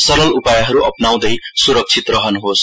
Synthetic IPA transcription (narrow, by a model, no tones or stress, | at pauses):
sʌɾʌlupajʌɦʌɾuʔʌ̰pnaw̃d̪ʌjsuɾʌk̚t͡sʰit̪rʌɦʌnɦos